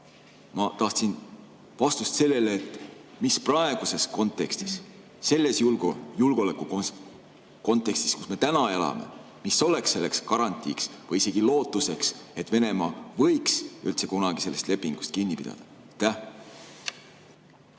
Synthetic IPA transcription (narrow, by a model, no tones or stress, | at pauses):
mɑt̪ɑht̪sin | vɑst̪ust̪se̞lːe̞leːt̪ːmisprɑe̞ɡ̥use̞sko̞nt̪ːˑe̞kst̪isː | e̞lːe̞sjulɡjulɡ̥o̞le̞kːˑu | ko̞nt̪ˑːe̞kst̪i̥skusme̞t̪ænɑelɑ̰me̞̰ | misːo̞le̞ksːe̞lːe̞kskɑɾɑnʲt̪ʲːˑḭːksvɤjise̞ɡ̥ilo̞ːt̪ːˑuse̞kse̞t̪ːve̞ne̞mɑːvɤ̞jksy̰lt̪se̞kunɑɡ̥ise̞lːe̞st̪le̞pːiŋɡ̥u̥st̪̚kinːipid̪ɑ̰d̪̥ɑ̥ | t̪ːæh